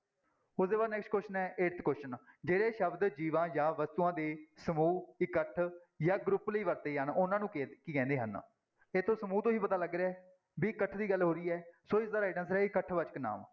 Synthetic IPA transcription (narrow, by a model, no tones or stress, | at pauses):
ʊsd̪eːbaːd̪nɛːksʈkwɛsʈənɛːʔeːɾt̪kwɛːsʈənd͡ʒeːɽeːʃəbd̪d͡ʒiːʋãːjãːʋəst̪uːãːd̪eːsəmuːɪkəʈʰ | jãːɡɾʊpləiːʋəɾt̪eːənʊnãːnũːkːkiːkɛ̃ːnd̪eːɦən | eːt̪ʰːõːsəmuːt̪õɦiːpət̪aːləɡɾeɛː | biːɪkəʈʰːd̪iːɡəlɦoːɾiːɛːsoːɪsd̪aːɾaːɖənsɾɛːɪkəʈʰʋət͡ʃkna̰ːm